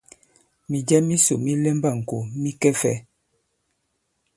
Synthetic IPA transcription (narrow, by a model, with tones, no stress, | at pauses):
mi˨d͡ʒɛ˦mi˦so˨mi˦lɛ˦mba˦˨ŋ̩˨ko˨mi˦kɛ˦fɛ˦